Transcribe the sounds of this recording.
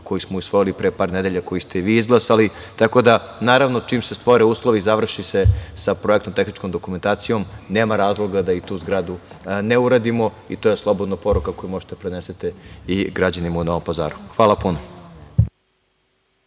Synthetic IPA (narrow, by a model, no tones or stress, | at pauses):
ko̞jismoisʋo̞jilipɾepaːɾned̪eʎako̞jist̪e̞ʋiːizɡlˠasali | t̪ako̞d̪a | naːɾaʋnot͡ʃiːmsest̪ʋoɾeuːslˠoʋizaʋr̩ʃisesapɾojekt̪omt̪exnit͡ʃkomd̪o̞kume̞nt̪aːt̪sijo̞mneːmaɾaːzlˠo̞ɡad̪ait̪uːzɡɾad̪u | neuɾad̪imo̞ | it̪oːje̞slˠo̞bod̪napo̞ɾukako̞jumo̞ʒi̥t̪epɾeneset̪eiɡɾad͡ʑanimaunoʋompaza̰ːɾuxʋaːlapuno